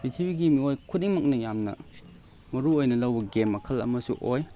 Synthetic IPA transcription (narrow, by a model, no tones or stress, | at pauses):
bitʰibiɡimiojkʰut̚iŋmɐk̚nɐjamnɐ̰ | mɐɾuojnɐlɐwbɐɡemːɐkʰɐlɐ̰mɐsṵʔoj